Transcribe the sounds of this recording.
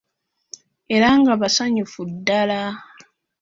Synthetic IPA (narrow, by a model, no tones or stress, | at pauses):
e̞ɾaŋɡaβasaɲufudːala